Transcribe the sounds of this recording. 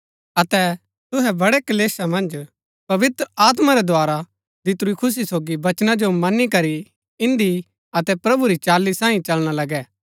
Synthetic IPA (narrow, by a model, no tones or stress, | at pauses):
ɐt̪ɛ | t̪ʊɦɛbɐɽɛkɐleːsamɐ̃nd͡ʒ | pɐʋɪt̪ɾaːt̪̬maɾɛd̪ʱoaːɾa | d̪ɪt̪ɾuikʰʊs̬isoːɡibɐt͡ʃnad͡ʒomɐnːikɐɾi | ɪ̃nd̪i | ɐt̪ɛpɾɐbuɾit͡ʃaːlːisãːĩt͡ʃɐlɽ̃alɐɡɛː